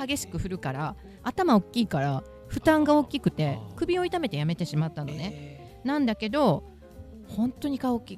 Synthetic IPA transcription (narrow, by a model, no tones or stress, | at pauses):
haɡe̞ɕi̥kɯ̟ɸɯ̟ɾɯ̟kaɾa | at̪amao̞kʲːiːkaɾa | ɸɯ̟t̪ãŋɡao̞kʲikɯ̟̥t̪e̞kɯ̟bʲio̞it̪ame̞t̪e̞jame̞t̪e̞ɕimat̪ːano̞ne̞ | nãnd̪ake̞d̪o̞ | hõ̞nt̪o̞ɲ̟ikaokʲːiː